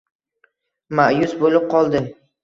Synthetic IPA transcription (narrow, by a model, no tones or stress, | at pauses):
maʔjʊsbolɪp̚qʰɒlˠd̪ɪm